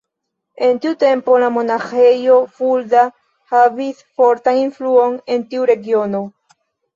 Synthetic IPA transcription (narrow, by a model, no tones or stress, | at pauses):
e̞ntiute̞mpo̞lamo̞naxe̞jo̞fulda | havisfo̞ɾtaninfluo̞ne̞ntiuɾe̞ɡio̞no̞